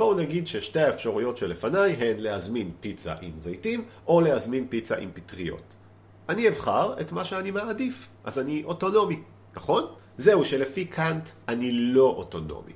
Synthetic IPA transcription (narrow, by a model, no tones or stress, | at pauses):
po̞naɡidʃeʃte̞aefʃaʁujo̞tʃelefanajɦe̞nle̞hazminpit͡sa̰ʔimzajtimʔo̞le̞hazminpit͡sa̰ʔḭmpitʁijo̰t | ʔanievχaʁe̞tmaʃeanimaadifʔazaniʔo̞to̞no̞mi | naχo̞n | ze̞uʃe̞le̞fikʰantanilo̞ʔoto̞no̞̰mḭ